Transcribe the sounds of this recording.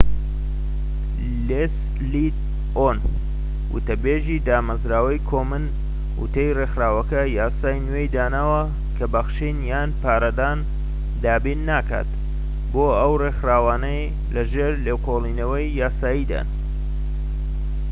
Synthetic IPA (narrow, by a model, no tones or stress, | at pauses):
les | lit̪ | on | wʊ̰t̪ɐbeʒid̪aːmɐzɾaːwɐjkʰoːmɨn | ʔṵt̪ʰejrexɾaːwɐkɐjaːsaːjnwejd̪aːnaːwɐ | kʰɐbɐxʃinjaːnpaːɾɐd̪aːn | d̪aːbiːnːaːka̰t̪ | boːɐwrexɾaːwaːnɐj | lɐʒeːɾleːwkʰolˠiːnɐwɐjːaːsaːjid̪a̰n